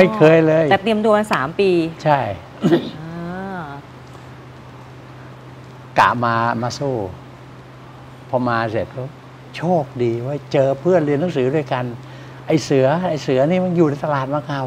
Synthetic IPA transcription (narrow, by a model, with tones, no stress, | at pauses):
ma˥˩jkʰɤː˧jlɤː˧j̪ɛː˨˩t̪i˧əmt̪u˧əmaː˧saː˨˩˦mpiː˧t͡ɕʰa˥˩j | a˧ | ka̰˨˩maː˧maː˧suː˧˥˩ | pʰɔ˧maː˧se˨˩t̪̚ | t͡ɕʰoː˥˩k̚diː˧wəː˦˥˩t͡ɕɤː˧pʰɯ˥˩ənli˧ənːa˨˦ŋs̬ɯː˩˦du˥˩ə˩jka˧n | ʔa˧˩jsɯ˨˩˦ɐʔa˧˩jsɯ˩˦ɐniː˧˩ma˧njuː˨˩ɾːt̪a˧laː˨˩t̪̚maː˧kaː˧˩w